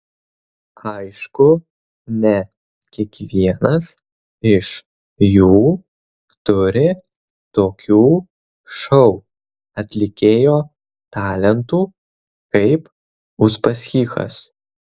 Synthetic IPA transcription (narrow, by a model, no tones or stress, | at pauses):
ɐɪʃkʊ | nʲɛ | kʲiɛkʋʲiɛnɐs | ɪʃ | juː | t̪ʊɾʲɪ | t̪oːkʲuː | ʃɒʊ | ɐt̪ʲlʲɪkʲeːjoː | t̪ɑːlʲɛnt̪uː | kɐɪp | ʊʒbɐsʲxʲiːxɐ̰s